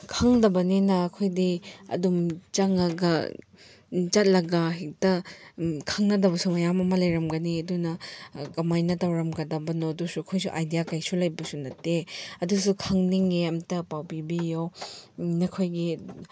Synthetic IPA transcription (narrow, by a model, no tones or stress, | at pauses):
kʰɐŋdɐbɐnenɐːkʰojdiɐ̰dumt͡ʃaŋɐɡɐ̰ | t͡ʃɐt̚lɐɡaɦik̚tɐ | kʰɐŋnɐdɐbɐsumɐjamɐmɐlɐjɾɐmɡɐniɐdunɐkɐmajnɐtɐwɾɐmɡɐdɐbɐnoɐdusuɐkʰojsṵʔajdijakajsulɐjbɐsunɐtːeɐdusukʰɐŋniŋeɐmtɐpawpibijo | nɐkʰojɡi